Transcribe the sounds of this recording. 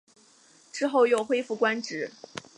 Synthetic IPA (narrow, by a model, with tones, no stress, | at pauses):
ʈ͡ʂɻ̩˥˧xo˥˧ʊjo˥˨˩ʊxwe˥ɪfu˥˩kwa˥nʈ͡ʂɻ̩˧˥